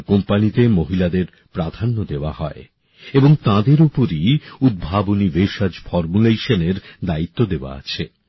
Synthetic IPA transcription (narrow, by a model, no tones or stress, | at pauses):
kompanit̪emoɦilad̪eɾ | pɾad̪ʱanːod̪eoa̰ɦɔe | eboŋt̪ãd̪eɾupoɾiud̪̚bʱaboniveʃad͡ʑfɔɾmuleʃaneɾd̪ait̪ːod̪eoa̰a̰t͡ɕʰe